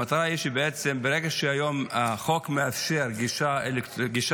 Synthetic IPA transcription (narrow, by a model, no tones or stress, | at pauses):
at̪aɾaiʃebeʔet͡sembeɾeɡeʃeajo̞maχo̞kmeafʃeɾɡiʃaelektɡiʃ